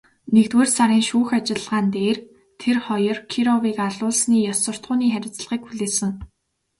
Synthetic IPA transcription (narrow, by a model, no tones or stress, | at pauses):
nekt̪weːrsaɾiːŋʃuːxat͡ɕɪ̆ɮʁaːnt̪eːr | t̪ʰerχɔjɞ̆rkʰiɾɔwiːkaɮʊːɮsniːjɔsə̆r̥t̪χʊːniːχæɾʲɪ̆t͡s̆ɮʁiːkxuɮeːsɘ̆ŋ